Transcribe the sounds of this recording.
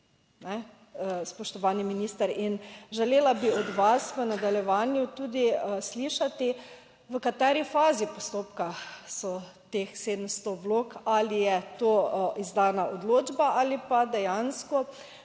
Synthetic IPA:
nɛ | spɔʃt̪ɔʋaːniminiːst̪əɾinʒɛleːlabiɔd̪ʋasʋənad̪aljɛʋaːnjut̪uːd̪isliʃat̪i | ʋəkat̪ɛːɾifaːzipɔst̪oːpkasɔt̪eːxseːd̪əmst̪ɔʋloːkalijɛt̪oːizd̪aːnaʔod̪loːd͡ʒbaʔalipad̪ɛjanskɔ

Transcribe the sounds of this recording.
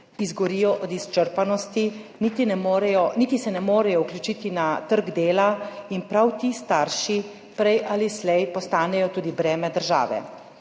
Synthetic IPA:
izɡɔɾiːjɔʔɔd̪ist͡ʃəɾpanɔst̪iniːt̪inɛmoːɾɛjɔniːt̪isɛnɛmoːɾɛjɔuklʲjut͡ʃiːt̪inat̪əɾɡd̪eːlainpɾawt̪ist̪aɾʃi | pɾɛjʔaːlislɛjpɔst̪aːnɛjɔt̪uːd̪ibɾɛːmɛd̪əɾʒa̰ːʋɛ̰

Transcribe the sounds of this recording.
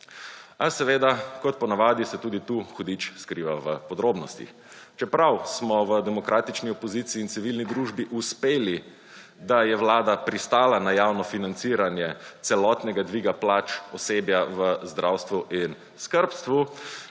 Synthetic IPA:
asɛʋeːd̪akɔt̪̚pɔnaʋaːd̪isɛt̪uːd̪it̪uːxɔd̪it͡ʃskɾiːʋaʋəpɔd̪ɾoːbnɔst̪ḭx | t͡ʃɛpɾawsmɔʋəd̪ɛmɔkɾʔaːt̪it͡ʃniɔpɔziːt̪siːnt̪siʋilnid̪ɾuːʒbiʔuspeːli | d̪ajɛwlaːd̪apɾist̪aːlanajawnɔfinant̪siːɾanjɛt̪sɛlɔt̪nɛɡad̪ʋiɡaplaːt͡ʃɔseːbjaʋəzd̪ɾʔawst̪ʋuʔin | skəɾpst̪ʋu

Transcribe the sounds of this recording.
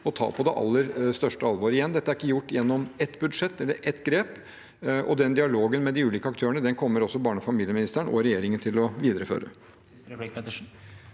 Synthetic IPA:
ɔt̪ʰɑ̰ːpʰɔd̪ɛʔɑ̰lːəɾst̪œʂʈəɑlʋɑːɾɪjɛnd̪ɛt̪ːæɾɪkːəjʊʈːjɛnːɔmɛt̪ːbʉd̪ʂɛt̪ːɛlːə̰ɾʔɛt̪ːɡɾeːp | ʔɔd̪ɛnd̪ɪɑloːɡənmɛd̪ɪʉːliːkəɑkt̪ʰøːəɳəd̪ɛnkʰɔmːəɾɔsːɔbɑːɳəfɑmiːlɪəmɪnɪst̪əɳɔɾɛjeːɾɪŋənt̪ʰɪlɔʋiːd̪əɾəfø̰ːɾə̰

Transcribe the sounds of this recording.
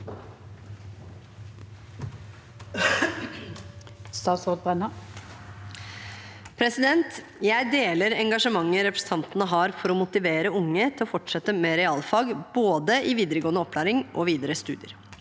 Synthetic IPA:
st̪ɑːt̪sod̪̚bʁɛnɑ | pʰɾɛsɪd̪ɛnt̪ | jæɪd̪eːləɾɛŋɡɑʂəmɑŋːəɾɛpɾəsn̩t̪ʰɑnt̪nəɦɑːɾfɔɾɔmʊt̪ɪʋeːɾəʊŋːət̪ʰɪlɔfɔʈʂɛt̪ːəmɛɾɛɑːlfɑːɡboːd̪əʔiʋiːd̪əɾəɡoːənəɔpʰːlæːɾɪŋʔɔʋiːd̪əɾəst̪ʉ̰ːd̪ɪə̰ɾ

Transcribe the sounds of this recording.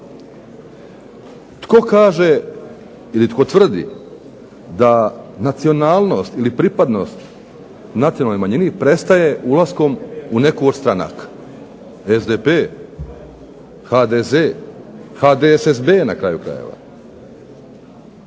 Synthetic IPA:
t̪ko̞kaːʒe̞ | ilit̪ko̞t̪ʋr̩d̪ḭ | d̪anat̪sio̞naːlˠno̞st̪ilipɾipad̪no̞st̪ | nat̪sionalnojmaɲinipɾe̞st̪aje̞ʔulˠasko̞mune̞kooɾst̪ɾana̰k | ezd̪epe | xad̪ezexad̪esesbe̞nakɾa̰jukɾa̰jḛʋa̰

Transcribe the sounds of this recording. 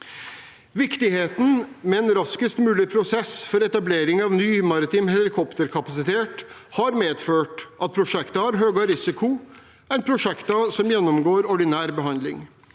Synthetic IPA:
ʋɪkt̪ɪheːt̪n̩mɛɛːnɾɑskɪst̪mʉːlɪpʰɾʊsɛsfɔɾɛt̪ɑbleːɾɪŋɑʋnyːmɑɾɪt̪ɪmɦɛlɪkʰɔpt̪əɾkʰɑpɑsɪt̪ʰeːʈ | hɑɾmeːd̪føːʈʔɑt̪̚pʰɾʊʂɛkt̪əɑɾɦøːɡɑɾɪsɪkʰʊ | æɪpʰɾʊʂɛkt̪ɑsɔmjɛnːɔmɡoːɾɔɖɪnæːɾbəɦɑnd̪lɪ̰ŋ

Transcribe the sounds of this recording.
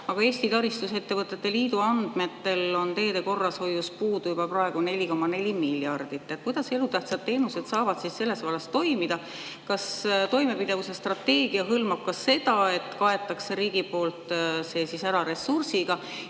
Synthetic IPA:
ɑɡ̥ɑe̞ːst̪it̪ɑɾist̪use̞t̪ːe̞vɤt̪ːˑe̞t̪ːe̞liːd̪uɑnd̪̥me̞t̪ːe̞lo̞nt̪e̞ːd̪e̞ko̞rːɑsho̞jːuspuːd̪ujubɑprɑeɡ̥une̞lʲiko̞mːɑne̞lʲimilːjɑrd̪̥it̪ːet̪̚kujd̪̥ɑse̞lut̪æht̪sɑt̪ːe̞ːnuse̞d̪̥sɑːvɑd̪sisse̞lːe̞svɑlːɑst̪o̞jmid̪̥ɑ | kɑst̪o̞jme̞pid̪̥evuse̞st̪rɑt̪ːe̞ːɡ̥iɑɦɤlmɑb̥̚kɑse̞d̪ɑe̞t̪ːˑkɑe̞t̪ːˑɑkseɾiːɡ̥ipo̞ːlt̪ˑse̞sisæɾɑɾe̞sursiɡ̥ɑ

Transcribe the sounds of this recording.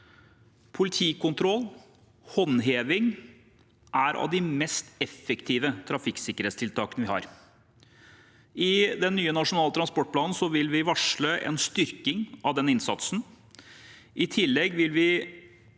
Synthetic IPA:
pʰʊlɪt̪ʰiːkʊnt̪ʰɾɔlː | hɔnɦeːʋɪŋ | ʔæɾʔɑ̰ʋd̪ɪmɛst̪ɛfːɛkt̪ʰiːʋət̪ʰɾɑfɪksɪkːəɾeːt̪st̪ʰɪlt̪ʰɑːkənəʋɪhɑ̰ːɾ | ɪd̪ɛnːyːənɑʂʊnɑːlət̪ʰɾɑnspɔʈ̚ːpʰlɑːnn̩sɔʋɪlʋɪʋɑʂɭəʔɛ̰nst̪ʏɾkɪŋɑʋd̪ɛnɪnsɑ̰t̪sn̩ | ʔɪt̪ʰɪlːɛɡʋɪlʋɪ

